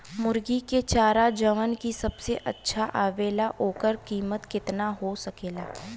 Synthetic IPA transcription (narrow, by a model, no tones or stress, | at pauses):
mʊɾɡiket͡ʃaːɾad͡ʒəʋənkisɐbseʔɐtːʃʰaʔaːʋeːlaɦoːkəɾkiːmət̪kɪt̪naɦosɐkeːlaː